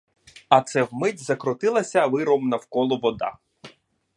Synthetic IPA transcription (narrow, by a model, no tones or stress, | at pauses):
ɐt̪sɛwmɪdʲzɐkɾɔt̪ɪlˠɐsʲɐʋɪɾɔmnɐwkɔlˠɔʋɔd̪ɑ̰